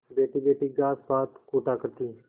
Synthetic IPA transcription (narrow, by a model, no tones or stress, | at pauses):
beːʈiːbeːʈiːɡaːsbaːt̪kuːʈaːkəɾt̪iː